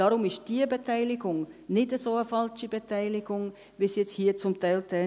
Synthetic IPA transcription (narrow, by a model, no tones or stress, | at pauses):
ɑɾʊmɪʃd̥iːəbetaɪlɪɡʊŋnɪdəsoːəfɑlt͡ʃibetʰaɪlɪɡʊŋ | ʋisjɛt͡shiːət͡sʊmtaɪltɛ